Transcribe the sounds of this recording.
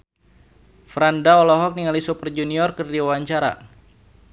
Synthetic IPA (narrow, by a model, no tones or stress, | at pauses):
fɾandaɔlɔɦɔk̚niŋalisupərd͡ʒuniɔrkərdiwawaɲt͡ʃaɾa̰